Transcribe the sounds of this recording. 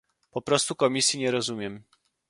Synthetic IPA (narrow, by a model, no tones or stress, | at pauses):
pɔpɾɔst̪ukɔmʲisʲjiɲɛɾɔzumʲjɛm